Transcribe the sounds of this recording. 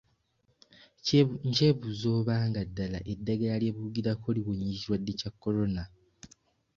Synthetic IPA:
ɲceβuzo̞ːβaːŋɡadːala̰ʔedːaɡalaljeːβuuɡiɾakoliwoɲːiciɾwadːe̞cakːo̞ɾo̞na

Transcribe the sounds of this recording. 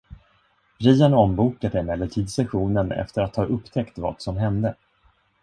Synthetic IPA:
ɾiːanɔmbuːkad̪əmɛlːəʈ̪ʰiːd̪sɛɧuːnənɛ̰ft̪əɾat̪ʰhɑːʔɵpːt̪ʰɛkt̪va̰ːʈ̪sɔmɦɛnd̪ə

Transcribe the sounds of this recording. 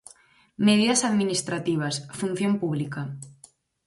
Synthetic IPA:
með̞iðɐsaðminist̪ɾat̪iβ̞ɐsfun̟θjompuβ̞lika

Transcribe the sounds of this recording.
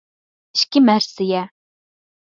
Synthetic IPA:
iʃkʲɪmæɾsɪjɛ

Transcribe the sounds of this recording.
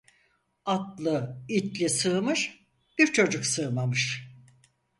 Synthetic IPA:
at̪lˠɯit̪lʲisɯːmɯʃ | b̥iɾt͡ʃʰo̞d͡ʒuksɯːmamɯʃ

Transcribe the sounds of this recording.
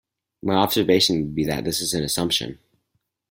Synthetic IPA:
maɪɑb̥z̥ə˞veɪʃɨ̃n̩wəd̚biðɨ̰t̪̚ðɪsɨzɨ̃nɨsʌ̃mpʃɨ̰̃n

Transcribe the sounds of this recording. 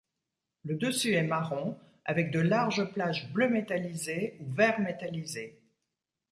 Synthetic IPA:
ləd̪əsyɛmaʁɔ̃ | a̰vɛk̚d̪əlaʁʒəplaʒblømet̪alizeuvɛʁmet̪alize

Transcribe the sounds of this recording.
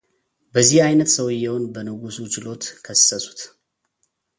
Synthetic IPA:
bəzːihajnət̪səwjːɛhonbənəɡusut͡ʃɪlo̞t̪kʰəsːəsu̥t̪

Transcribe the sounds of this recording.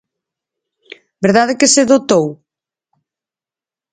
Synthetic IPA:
beɾðaðɪkɪsɪðot̪ow

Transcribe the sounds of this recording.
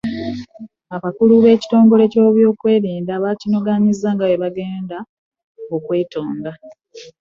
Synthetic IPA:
aβakuluβe̞ːci̥to̞ːŋɡo̞le̞co̞ːβjo̞ːkwe̞ːɾiːndaβacinoɡaɲizaːŋɡaweβaɡe̞ːnda | okweːto̞ːnda

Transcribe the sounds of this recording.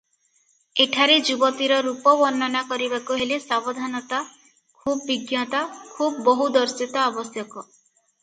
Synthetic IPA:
eʈʰaɾed͡ʒubɔt̪iɾɔɾupɔbɔnːɔnakɔɾibakuɦelesabɔd̪ʱanɔt̪a | kʰubɔbiɡjat̪akʰubbɔɦud̪ɔɾsit̪ɔabɔsjɔkɔ

